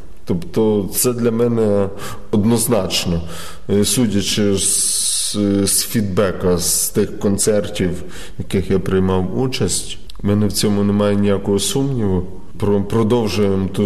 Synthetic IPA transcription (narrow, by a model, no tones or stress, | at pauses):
t̪ɔpt̪ɔt̪sɛd̪lʲɐmɛnɛ | ɔd̪nɔznɑt͡ʃnɔ | sudʲɐt͡ʃɪz | sfʲid̪bɛkɐst̪ɪxkɔnt̪sɛrtʲiw | jɐkɪxjapɾɪjmɑwut͡ʃɐsʲtʲ | mɛnɛwt͡sʲɔmʊnemɑjenʲijakɔɦɔsumnʲiʋʊ | pɾɔpɾɔd̪ɔwʒʊjemt̪u